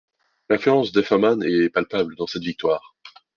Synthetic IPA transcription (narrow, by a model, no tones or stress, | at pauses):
lɛ̃flyɑ̃sd̪efɛʁmanɛpalpabld̪ɑ̃sɛt̪vik̚t̪waːʁ